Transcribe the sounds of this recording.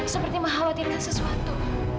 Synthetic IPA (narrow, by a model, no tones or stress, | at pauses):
səpərt̪iməɦawat̪irɲasəsuat̪u